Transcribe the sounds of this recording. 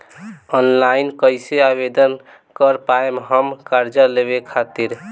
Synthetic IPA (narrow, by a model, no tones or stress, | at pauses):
ɔnlainkəɪseabed̪ən | kəɾpaemɦəmkaɾd͡ʒəleβekʰat̪iɾ